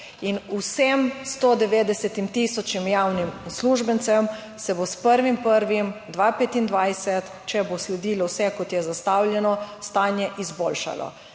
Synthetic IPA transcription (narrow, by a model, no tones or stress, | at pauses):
inusemst̪od̪ɛʋeːd̪ɛsɛt̪imt̪isɔt͡ʃnimjaːwnimsluːʒbənt̪sɛm | sɛbospəɾʋimpəɾʋimd̪ʋaːpet̪ind̪ʋajsɛt̪ | t͡ʃɛboslɛd̪iːlɔwsɛkɔt̪jɛzast̪awljɛnɔst̪aːnjɛʔizboːlʃa̰lɔ̰